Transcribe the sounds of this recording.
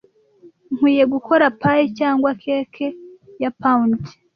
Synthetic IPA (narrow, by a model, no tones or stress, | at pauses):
ŋ̥wiːje̞ɡukʰo̞ɾapajicaːŋɡwakʰe̞ːkʰejapaund͡ʒe̥